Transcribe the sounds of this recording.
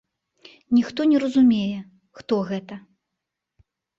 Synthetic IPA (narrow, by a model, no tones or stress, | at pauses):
nʲixt̪ɔnʲɛɾɐzumʲejɛ | xt̪ɔɣɛt̪ɐ